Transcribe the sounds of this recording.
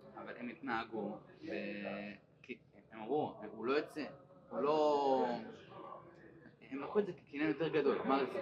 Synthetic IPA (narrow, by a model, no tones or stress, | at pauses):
avalʔemit̪naːɡuve | ki | emavuulo̞jot͡seulo̞ | emlaχuetzeke̥kinemjot̪e̞ʁɡad̪o̞lmaʁif